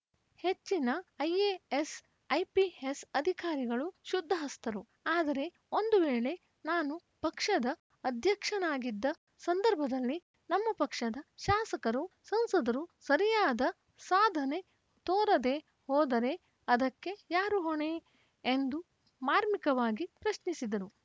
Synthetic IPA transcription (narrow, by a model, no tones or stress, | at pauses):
he̞t͡ʃːinɐɐjees | ɐjpiesɐd̪ʱikaːɾiɡɐɭuʃud̪ʱːɐɦɐst̪ɐɾu | aːd̪ɐɾe̞ | o̞nd̪uʋeːɭe̞ | naːnupɐkʂɐd̪ɐ | ɐd̪ʱjɐkʂɐnaːɡid̪ːɐ | sɐnd̪ɐɾbʱɐd̪ɐlːi | nɐmːɐpɐkʂɐd̪ɐʃaːsɐkɐɾusɐnsɐd̪ɐɾusɐɾijaːd̪ɐ | saːd̪ʱɐne̞ | t̪oːɾɐd̪e̞ | hɔːd̪ɐɾe̞ | ɐd̪ɐkːe̞jaːɾuɦoɳe | end̪u | maːɾmikɐʋaːɡipɾɐʃnisid̪ɐɾu